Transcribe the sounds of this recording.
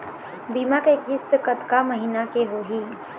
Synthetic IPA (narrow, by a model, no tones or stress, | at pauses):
biːmakekɪst̪kət̪kaməɦiːnakeɦoɦiː